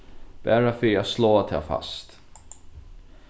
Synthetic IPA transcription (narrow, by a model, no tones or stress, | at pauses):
b̥æːɾafœjasloːt̪ʰɛ̰fa̰st̪